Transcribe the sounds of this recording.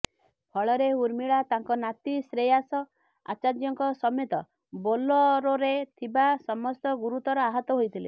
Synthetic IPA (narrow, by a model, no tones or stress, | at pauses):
pʰɔɭɔɾeuɾmiɭat̪aŋkɔnat̪isɾejasɔ | a̰t͡ʃad͡ʒjɔŋkɔsɔmet̪ɔ | bolɔɾoɾet̪ʰibasɔmɔst̪ɔɡuɾut̪ɔɾɔaɦɔt̪ɔɦojt̪ʰile